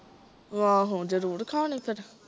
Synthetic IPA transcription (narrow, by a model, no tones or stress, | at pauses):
ʋãːɦõːd͡ʒəɾuːɾkʰaːnĩpʰɪɾ